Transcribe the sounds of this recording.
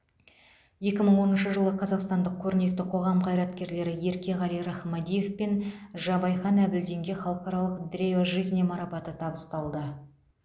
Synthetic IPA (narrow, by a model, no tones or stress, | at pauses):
je̞kʲɪməɴwo̞nənʃəʒəlˠəqʰɑzɑqst̪ɑnd̪əq̚kʲʰɵɾɪne̞k̚t̪ɪqʰo̞ʁɑmqʰɑjɾɑt̪kʲe̞ɾle̞ɾɪje̞ɾkʲe̞ʁɑlijɾɑχmɑd̪ije̞fpenʒɑbɑjχɑnæbɪld̪e̞ŋɡʲe̞χɑlˠəqɑɾɑlˠəqd̪ɾʲeoʒijznemɑɾɑpɑt̪ət̪ʰɑbəst̪ɑlˠd̪ə